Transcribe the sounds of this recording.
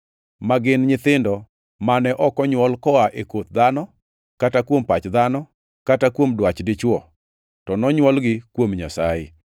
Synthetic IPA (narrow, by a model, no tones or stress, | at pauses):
maɡɪnɲɪt̪ɪndɔ | manɛʔɔkɔɲwɔlkɔaʔekot̪̚d̪anɔ | katakwompat͡ʃd̪anɔ | katakwomdwat͡ʃdɪt͡ʃwɔ | tɔnɔɲwɔlɡɪkwomɲasaɪ̰